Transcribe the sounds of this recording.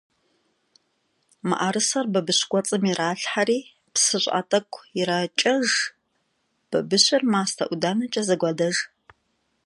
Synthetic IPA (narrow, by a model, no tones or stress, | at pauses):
ma̰ʔaɾɨsɐrbɐbɨɕʷɡʷɔt͡sʼɨmiraːɬħaɾiː | psɨɕʷʼa̰ːtʼɐkʷʰʼɪɾaːt͡ʃʼɐʒ | b̥ɐbɨɕʷɪrmaːstʰɐʔʷʊdaːnɐt͡ʃʼɐzɐɡʷɐdɐʒ